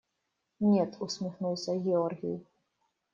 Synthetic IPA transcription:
nʲɛt̪ʰusʲmʲixnuwsʲɐɣʲɛɔrɣʲḭj

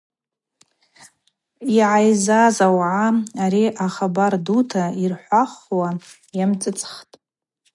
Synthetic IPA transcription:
iʕajzazawʕaaɾiʔaχabardutʰairħʷaχwa | jamt͡sʼɨt͡sʼχtʼ

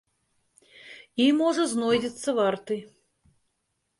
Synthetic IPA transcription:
imɔʐɐznɔjdʲɛt̪sːɐvart̪ɨ

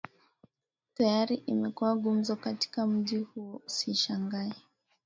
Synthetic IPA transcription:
tajaɾiʔimɛkuwaɠum̩zɔkati̥kam̩ʄihuɔusiʃaŋɡaɛ

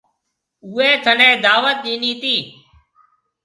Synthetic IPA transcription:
uːeːt̪ʰənẽːd̪aːʋət̪̚ɗiːniːt̪iː

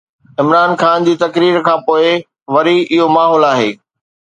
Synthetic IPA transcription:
ɪmɾaːnxaːnd͡ʑiːt̪ɐkɾiːɾkʰãːpoːɪ | ʋɐɾiʔɪɦomaːɦɔːlaːɦeː

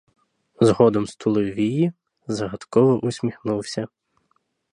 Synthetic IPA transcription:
zɦɔd̪ɔmst̪ʰʊlˠɔʋʲiji | zɐɦɐt̪kɔʋɔʔʊsʲmʲixnuwsʲɐ

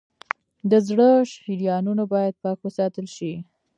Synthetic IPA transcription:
d̪əzɽəʃhiɾijɑnunobɑjad̪̚pɑkwəsɑt̪əlʃi

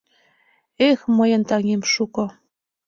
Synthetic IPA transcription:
exməjə̆nt̪ɑŋemʃukŏ

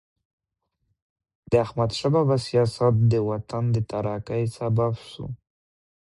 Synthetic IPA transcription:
d̪̥əahmad̪ʃababasijɑsat̪̚d̪əwat̪and̪ət̪aɾɑkajsababʃṵ

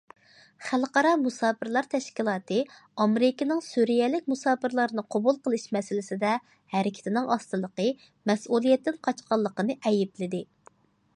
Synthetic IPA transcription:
χælqɑɾɑmusɑːpʰɨɾlˠɑɾt̪ʰɛʃkʲilˠɑːt̪ɨ | ɑmeɾɪkʲɪnɪŋsuɾijɛlɪk̚ʲmusɑːpɨɾlˠɑɾnɨqʰobulˠqəlˠɨʃmɛsɪlɪsɪd̪ɛ | hɛɾɪkʲʰɪ̥t̪ʰɪnɪŋɑst̪ɨlˠəqə | mɛsulˠijɛt̪ːɪnqʰɑt͡ʃqɑlˠːəqənɨʔɛjɪplɪd̪ɪ

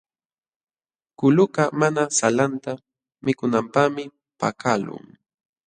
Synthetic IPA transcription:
kʊlʊkamanasalant̪a | mɪkʊnampamɪ | pa̰kalʊ̰ŋ

